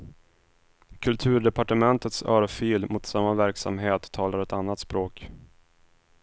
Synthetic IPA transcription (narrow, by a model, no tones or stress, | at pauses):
kʰɵlt̪ʰʉ̟ːɖɛpaʈəmɛnt̪ət̪sœːɾfiːlmʊt̪samːavæɾksa̰mɦeːt̪ʰːɑːlaɾɛt̪anːat̪spɾoːk